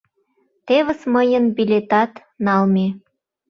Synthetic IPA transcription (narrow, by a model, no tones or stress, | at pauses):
t̪eβə̆sməjənbilʲet̪ɑt̪ | nɑlme